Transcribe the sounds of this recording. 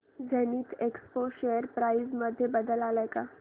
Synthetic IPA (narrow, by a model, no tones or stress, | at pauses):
d͡zʱeniːt̪ekspoɕeəɾpɾajizməd̪ʱːjebəd̪əlalajka